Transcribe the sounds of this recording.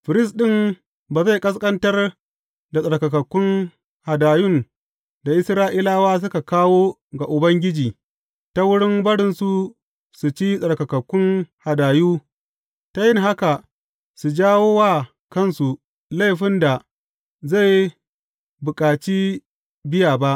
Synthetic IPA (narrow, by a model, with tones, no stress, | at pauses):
ɸɪ˨ɾɪ˦˨s̬ɗɪ˦m | baː˨za˦jkʼɐ˦s̬kʼɐ˦ntɐ˦r | da˨sʼɐ˨ɽkɐ˨kɐ˨kʷːʊ˦ŋ | ha˨daː˨jʊ˦˨n | da˨ʔɪ˦sɾaː˦ʔiː˦laː˦waː˦s̬ʊ˦ka˨kaː˦woː˦ | ɡa˨ʔʊ˨bɐ˦ŋɡʲɪ˦d͡ʒiː˨ | ta˦wʊ˦ɽɪ˦mbɐ˦ɽɪ˦nsu˨ | su˨t͡ʃi˦sʼɐ˨ɽkɐ˨kɐ˨kʷːʊ˦ŋha˨daː˨juː˦ | ta˦jɪ˦ŋɦa˦ka˨ | su˨d͡ʒaː˦woː˦waː˦˨ | kɐ˦˨nsu˨ | la˦˨ɸɪ˦nda˨ | za˦˨j | bʊ˨kʼaː˨t͡ʃiː˦ | bɪ˦jaː˨ba˦ʔ